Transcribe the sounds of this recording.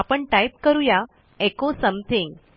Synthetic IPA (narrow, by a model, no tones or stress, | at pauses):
apəɳʈajip̚kəɾuja | ekosəmt̪ʰiŋɡ